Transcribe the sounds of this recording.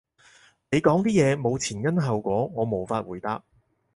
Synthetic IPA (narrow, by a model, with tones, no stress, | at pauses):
ne˨˧jkɔː˨˥ŋt̪iː˥jɛː˨˧mo˨˧wt͡sʰiː˨˩nkɐ˥nɦɐ˨wkʷɔː˨˥ŋɔː˨˧mo˨˧wfaː˧t̚wuː˨˩jt̪aː˧k̚